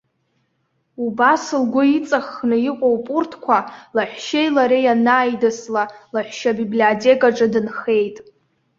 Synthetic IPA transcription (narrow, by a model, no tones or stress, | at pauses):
ubasɨlɡʷʊit͡sʼaχːnɨiqʷʼowpʼʊrtʰkʷʰalaħʷᶣʃejlaɾejanaːjdɨslalaħʷʃabibliotʰʼe̞kʼaʈ͡ʂʼɨdɨnχe̞jtʼ